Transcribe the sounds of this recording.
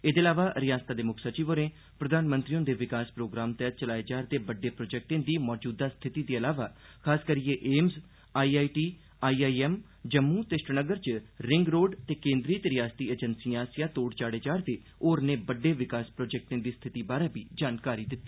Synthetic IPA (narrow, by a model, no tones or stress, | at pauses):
eːd̪eːlaːʋaːɾɪjaːst̪aːd̪eːmʊkʰsət͡ʃiːʋoːɾẽː | pɾəd̪aːnmənt̪ɾiõːd̪eːʋɪkaːspɾoːɡɾaːmt̪ɛːt͡ʃəlaːeːd͡ʒaːɾd̪eːbəɖːeːpɾoːd͡ʒɛːk̚ʈẽːd̪iːmɔːd͡ʒuːd̪aːst̪ʰɪt̪iːd̪iːəlaːʋaː | kʰaːskəɾiːeʔeːmz | aːiːaːiːʈiː | aːiːaːiːɛːm | d͡ʒəmːuːt̪esʈənəɡəɾt͡ʃɾɪŋɡɾoːɖt̪eːkẽːnd̪ɾiːt̪eːɾɪjaːst̪iːeːd͡ʒənsiːãːsɪjãːt̪oːɽt͡ʃaːɽeːd͡ʒaːɾd̪eː | oːɾneːbəɖːeːʋɪkaːspɾoːd͡ʒɛːk̚ʈẽːd̪iːst̪ʰɪt̪iːbaːɾaːbiːd͡ʒaːnkaːɾiːd̪ɪt̪ːiː